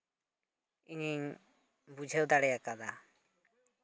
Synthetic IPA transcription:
iɲiŋ | bud͡ʒʱɛwd̪aɽɛjakad̪a

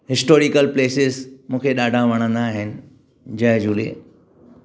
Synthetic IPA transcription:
ɦɪsʈoːɾikəlpleːsɪzmũːkʰeɗaːɖʱãʋɐɽ̃ə̃nd̪aːɦɪnɪ̆ | d͡ʑɐɦd͡ʑuːlḛː

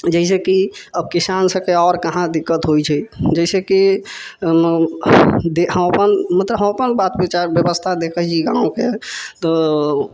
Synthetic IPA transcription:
d͡ʒɛis̬ekiəb̚kisansə̃keɔɾkəɦãd̪ikːət̪ɦojt͡ʃʰɛd͡ʒɛiseki | d̪eɦəməpənmət̪ləbɦəməpənbat̪bit͡ʃaɾbjəbəst̪ʰad̪ekʰəɦt͡ʃʰieɡãũket̪ɔ

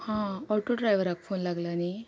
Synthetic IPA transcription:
hãɔɭʈoɖɾajʋəɾak̚fʰonlaɡlani

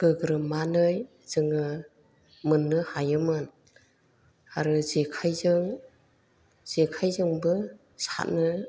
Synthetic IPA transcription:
ɡ̥ɯɡɾɯmanɯj | z̥ɯŋɯ | mɯnːɯhajɯmɯn | aɾɯzekʰajzɯŋ | z̥ekʰajzɯŋbɯ | sa̰t̚nɯ

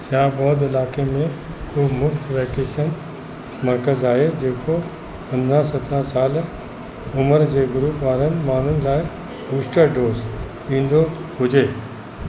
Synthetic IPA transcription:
t͡ɕãːbɔːd̪ɪlaːkemẽ | kʰuːbmʊft̪ʋɛːkeːʃən | mɐɾkəzaːɦed͡ʑeːko | pɐ̃nd̪ʱɾãsɐt̪ʰɾãsaːl | ʊməɾd͡ʑeːɡʊɾuːpʋaːɾənɪ̆maːn̤ʊnɪ̆laːɪ | buːsʈəɖoːz | ɗĩːn̆d̪oɦʊd͡ʑeː

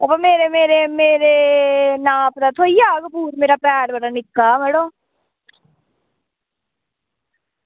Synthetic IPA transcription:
əpameːɾemeːɾemeːɾeːnaːpd̪aːt̪ʰoːijaːɡbuːɾmeːɾaːpɛːɽbaɽaːnɪkːaːmeːɽõː

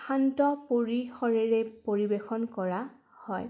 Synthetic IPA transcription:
xʰantɔpoɹixɔɹɛɹɛpoɹibexɔnkɔɹa | hɔj

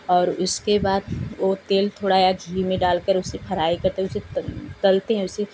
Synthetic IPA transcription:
ɔːɾʊskebaːd̪ʋot̪eːlt̪ʰoːɽajaɡʱiːmẽɖaːlkəɾʊsːepʰɐɾaːikɐɾt̪eɦɛ̃ʊset͡ʃɐlt̪eɦɛ̃ʊse

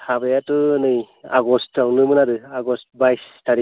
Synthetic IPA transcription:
habejatɯnɯj | a̰ɡɔstawnɯmɯnaɾɯaɡɔstbajstʰaɾi

